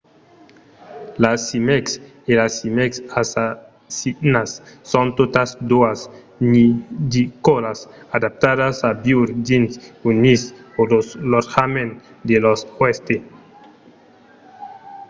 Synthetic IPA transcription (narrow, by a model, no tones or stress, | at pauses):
lasimɛks | elasimɛksasa | sinasːõnt̪ot̪asd̪uas | nid̪ikolas | ad̪ap̚t̪adasabjuɾd͡ʒinsunisolosloɾxamen | d̪eloswest̪e